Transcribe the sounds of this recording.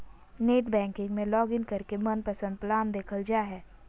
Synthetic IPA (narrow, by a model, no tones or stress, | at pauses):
neːʈbɛ̃ːŋkɪ̃ŋɡmẽlɔːɡɪnkɐɾkemɐnpɐsə̃nd̪̚plaːmd̪eːkʰəld͡ʒaːɦɛː